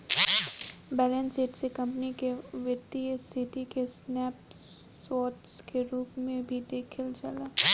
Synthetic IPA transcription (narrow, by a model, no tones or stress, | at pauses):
bɛːlə̃nseːʈsekɐ̃mpnikeʋjət̪ːist̪ʰɪʈikesnɛːp | ɔːʈskeɾuːpmẽbʱid̪eːkʰəld͡ʒɐlaː